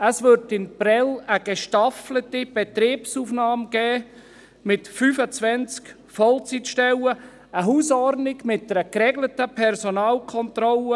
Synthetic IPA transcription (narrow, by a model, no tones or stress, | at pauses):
əsvʏɾtɪnprɛləɡ̥eʃtaflətib̥et̪ɾiːpsuːfnaɑːmɡ̥ɛː | mɪtfyːfət͡svɛnt͡sk | fɔlt͡sitʃtɛwə | əɦuːsɔrnɪɡmɪt̚d̥əɾəkrɛɡlətəpʰɛrsonɑːlkʰɔnt̪rɔlə